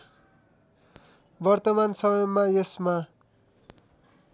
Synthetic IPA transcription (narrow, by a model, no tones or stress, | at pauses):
bʌrt̪ʌmansʌmʌjʌmːajesma